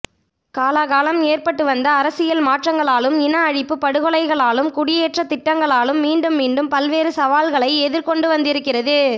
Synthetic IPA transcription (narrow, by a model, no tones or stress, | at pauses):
kaːlaɣaːlɐmeːrpɐʈːɯʋɐnd̪ɐːɾɐsɪjɐlmaːʈrɐŋɡɐɭaːlɯmɪnɐːɻɪpːɯpɐɽɯɣɔɭɐɪɣɐɭaːlɯmkʊɽɪjeːʈrɐt̪ːɪʈːɐŋɡɐɭaːlɯmːiːɳɖɯmːiːɳɖɯmpɐlʋeːɾɯsɐʋaːlɣɐɭɐɪɛðɪɾkɔɳɖɯʋɐnd̪ɪɾɯkːɪrɐðɯ